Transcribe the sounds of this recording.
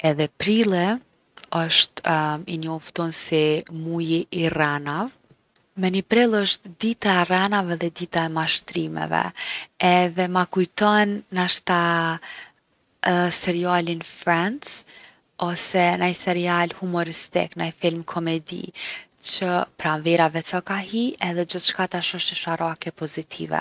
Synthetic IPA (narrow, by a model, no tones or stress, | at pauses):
ɛðɛpɾilˠɛ | əʃt̪inɔft̪ɔnsimujiʔːranav | mɛnipɾɛlˠəʃt̪d̪it̪aɛranavɛðɛd̪it̪aɛmaʃt̪ɾimɛ̰vɛ̰ɛðɛmakujt̪ɔnːaʃt̪a | sɛɾialinfɾɛns | ɔsɛnajsɛɾialhumɔɾist̪ḭknajfilmkʰɔmɛd̪ḭt͡ʃəpɾanvɛɾavɛt͡sɔkahiɛðɛd͡ʒəθt͡ʃkat̪aʃɔʃt̪əʃaɾakɛpɔzit̪ʰḭvɛ̰